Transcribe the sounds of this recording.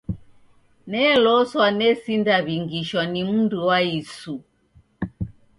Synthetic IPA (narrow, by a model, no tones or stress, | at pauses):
nɛlɔswanɛsindaβiŋɡiʃwanim̩nduwaisu